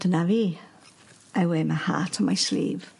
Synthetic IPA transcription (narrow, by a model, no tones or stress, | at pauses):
d̥ənaviː | awemaha̰ːtʰɔmajslḭːv